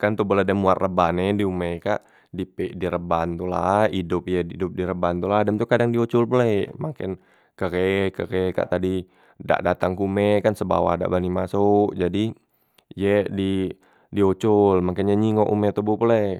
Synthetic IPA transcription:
kant̪uboladɛmuat̪rəbanediumɛkaʔ | dipɛʔdiɾəbant̪ulaidʊp̚jɛdidʊp̚diɾəbant̪ulahdɛmt̪ukadaŋdiot͡ʃʊlpulɛmakɪn | kəɡekəkeka̰ʔt̪adi | da̰ʔdat̪aŋkumɛkansəba̰wa̰da̰ʔbanimasʊkd͡ʒadi | jɛdi | diot͡ʃʊlmakɪnɲaɲiŋoʔumɛt̪obupule

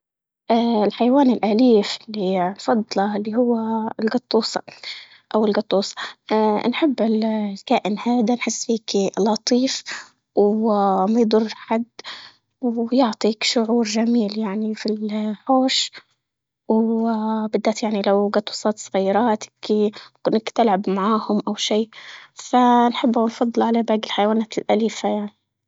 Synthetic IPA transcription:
ʔaɪlħajawaːnɪlʔaliːfɪlːinfɑd̪ˤlɑɪlːiːhʊwːalɡɑt̪ˤːuːsˤɑ̥̰ | ʔawɪlɡɑt̪ˤːuːsˤɑ̥nħɪbːɪlkaːʔɪnhaːd̪anħɪsːfiːkilɑt̪ˤiːf | wmajd̪ˤʊrˤːħad̪ː | wjʊʕt̪ˤiːkʃʊʕuːɾʒamiːljaʕnifilħoːʃ | w | bɪd̪ːaːt̪jaʕnilawɡat̪wɑsˤɑlt̪sˤɣɑjːɾˤɑːt̪ɪ̥kkʊnːakt̪ɪlʕabmaʕaːhʊmʔawʃiːfanħɪbːawnfɑd̪ˤːɨlʕalabaːɡɪlħajawaːnaːt̪ɪlʔaliːfajaʕni

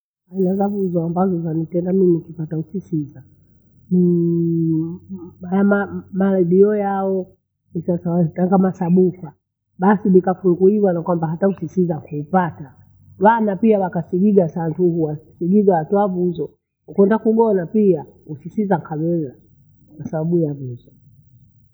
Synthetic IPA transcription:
ainazavuzɔambazɔzanitɛndamimikipatausisiza | ni | maamamalaɗiɔjaɔ | nisasawataŋɡamasaɓuka | ɓasilikafulɡuiwanakwambaɦatausisizakuːpata | wanapiawakasiɡiɡasantuhuwasiɡiɡawatɔavuzɔ | ukwɛndakuɡɔnapiausisizaŋkʰawɛza | kwasaɓaɓujavuzɔ

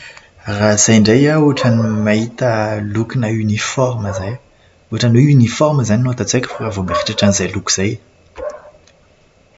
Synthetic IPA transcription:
raz̥ajɳɖ͡ʐejauaʈ͡ʂanimaɦit̪əlukinaynifɔɾməzaj | uaʈ͡ʂanweynifɔɾməzaninuat̪at͡sekə̥fakavomeχiʈ͡ʂaʈ͡ʂanizajluku̥z̥aj

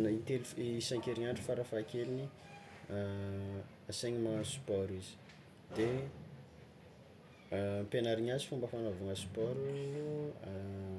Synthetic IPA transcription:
it̪elisaŋkeɾiɲaɳɖ͡ʐufaɾafakelini | aseɲimasu̥pɔɾizi̥ | d̪̥e | penaɾiɲasi̥fumbəfanovaŋəsi̥pɔɾu

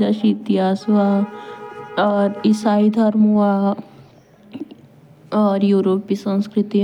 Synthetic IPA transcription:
aʃiːt̪iɦaːsʋa | ɾisaid̪ʱɐɾmuwa | ɔɾjuɾoːpisə̃nskɾit̪i

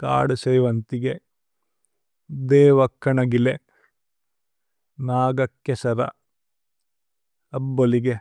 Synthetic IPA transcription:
ka̰ːɽusɐːʋɐnt̪iɡe | d̪eːʋɐkʰːɐɳɐɡile | naːɡɐkːesɐɾɐ̰ | ɐbːoliɡe

